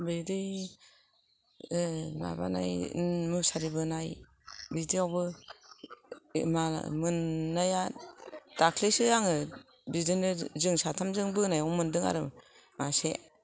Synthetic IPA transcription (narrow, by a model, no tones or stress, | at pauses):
bidɯj | ma̰ba̰na̰jmɯsaɾibɯnaj | bidiawbɯ | mamɯnːaja | d̥akʰlisɯjaŋɯ | bidinɯzɯŋsatʰamzɯŋbɯnajɔŋmɯndɯŋa̰ɾɯ | mase